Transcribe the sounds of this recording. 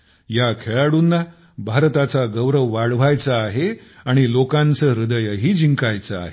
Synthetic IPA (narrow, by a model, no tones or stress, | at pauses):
jakʰeɭaɽuːnːa | bʱaɾt̪at͡saɡəwɾəʋʋaɭʋajt͡saːɦeaɽ̃ilokãnt͡səːɾud̪əjəɦiːd͡ʑiŋkajt͡saa̰ɦe